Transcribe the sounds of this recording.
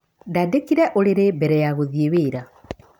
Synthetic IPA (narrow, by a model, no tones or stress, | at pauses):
ndadekiɾɛʔoleɾebɛɾɛjaɣoðijeβeːɾa